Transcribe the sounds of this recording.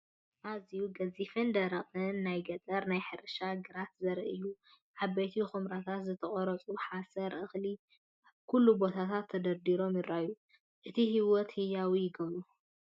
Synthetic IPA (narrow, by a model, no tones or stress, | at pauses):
ʔazijuɡɐzifɨnd̪ɐɾɐχʼɨnːajɡɐt͡sʼɐɾnajħɨɾɨʃaɡɨɾat̪zɐɾʔɨju | ʕabɐjt̪ʰixɨmɾat̪ʰat̪zɨt̪ʰɐχʼɔɾɐt͡sʼuħasɐɾʔɨxli | kʰulːubo̞t̪ʰat̪ʰat̪ʰːɐd̪ɐɾd̪iɾo̞mjɪɾaʔju | ʔɨt̪ʰihiwɔt̪hɨjawijɪɡɐβu